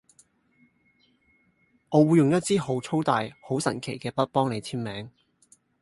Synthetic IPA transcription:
ʔɔː˨˧wu˨˧jʊ˨ŋjɐ˥t̚t͡siː˥ho˨˥wt͡sʰo˥wt̪aː˨jho˨˥wsɐ̰˨˩nkʰe˨˩jkɛː˧pɐ˥t̚pɔː˥ŋle˨˧jt͡sʰiː˥nmɛː˨˥ŋ

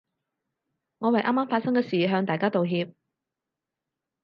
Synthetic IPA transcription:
ŋɔː˨˧wɐ˨jʔaː˥maː˥mfaː˧t̚sɐ˥ŋkɛː˧siː˨˩ɦœː˨˧ŋt̪aː˨jkaː˥t̪o˨wɦiː˧p̚

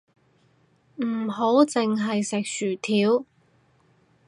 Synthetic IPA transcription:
m̩˨˩ɦo˨˧˥wt͡sɪ˨ŋɦɐ˨jsɪ˨k̚syː˨˩t̪ʰiː˨˥w

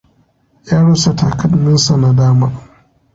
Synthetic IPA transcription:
jaː˦ɽɐ˦sa˨taː˨kɐ˦dnɪ˦nsa˨na˨daː˦maː˦

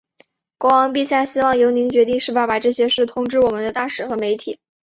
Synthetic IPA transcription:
kwɑ˥ŋwɑ˧˥ŋpi˥˧˩ɕja˥˩ɕi˥wɑ˥˩ŋjo˧˥ʊni˧˥ŋt͡ɕɥɛ˧˥t̪i˥˧ŋʂɻ̩˥˩pa˥˩pa˨˩ʈ͡ʂɤ˥˩ɕjɛ˥ʂɻ̩˥˩t̪ʰʊ˥ŋʈ͡ʂɻ̩˥˩wɔ˨˩mə˦nd̪ə˧t̪a˥˩ʂɻ̩˨˩xɤ˧˥me˧˥ɪt̪ʰi˨˩˦

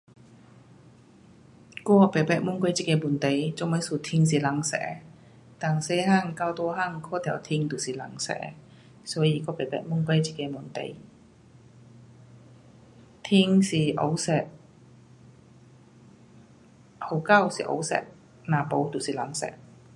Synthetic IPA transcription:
kɔː˧˩pe˨˩pɛː˨˧˩k̚mu˥ŋkʷa˧˥jt͡si˧˩kɛː˧muː˨˩nt̪e˨˩jt͡so˧˥mə˨˥suː˨˩t̪ʰi˧ŋsiː˨˩la˨˥ŋsɛ̰ː˧˥ | t̪a˨˩ŋse˧˥haː˥˩˨ŋkaː˧˩wt̪ɔː˧˥ha˥˩ŋkʰɔː˥t̪ʰɛ˨˩wt̪ʰi˧ŋt̪u˨˩siː˨˩la˨˧˥ŋsɛ̰ː˧˥ | sɔː˨˥jiː˧˩kɔː˧˥pe˨˩pɛ̰˧˩mu˥ŋkʷwa˧˥jt͡ɕi˧˥˩kɛː˧muː˨˩nt̪ḛ˨˧˩j | t̪ʰi˧ŋsiː˨˩ʔo˧˥wsɛ˨˩k̚ | ho˨˧˥wka˥˩˨wsḭː˨ʔo̰˧˥wsɛ̰ː˨k̚ | naː˨˩po˨˥wt̪u˨˩siː˨˩la˨˧˥ŋsɛ̰ː˨˩k̚

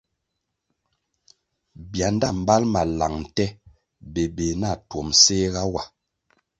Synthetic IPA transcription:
bja˨˦n˦da˦˨m̩˨ba˦lma˨la˨ŋn̩˨tɛ˦ | be˨be˨na˦˨two˨mse˦ɣa˦wa˨

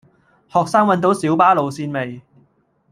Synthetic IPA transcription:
hɔː˨k̚saː˥ŋwɐ˨˥nt̪o˨˥wsiː˨˥wpaː˥lo˨wsiː˧nme˨j

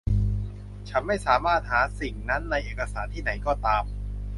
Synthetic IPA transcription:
t͡ɕʰa˦˥nma˥˩jsaː˩˦maː˥˩t̪̚haː˩˦si˨˩ŋna˦˥nːa˧jʔeː˨˩ka˧saː˩˦nt̪ʰiː˥˩na˩˦jkɔː˥˩t̪aː˧m

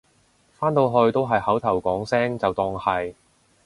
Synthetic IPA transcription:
faː˥nt̪o˧wɦɵ˧ɥt̪o˥wɦɐ˨jhɐ˨˥wt̪ʰɐ˨˩wkʷɔː˨˥ŋsɛː˥ŋt͡sɐ˨wt̪ɔː˧ŋhɐ˨j

